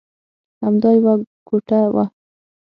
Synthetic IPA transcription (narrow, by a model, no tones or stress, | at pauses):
hamd̪ɑjwa | ɡ̥uʈawa̰